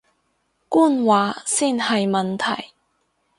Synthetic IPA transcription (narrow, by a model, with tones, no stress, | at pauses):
kuː˥˨nwaː˨˥siː˥nhɐ˨jmɐ˨nt̪ʰɐ˨˩j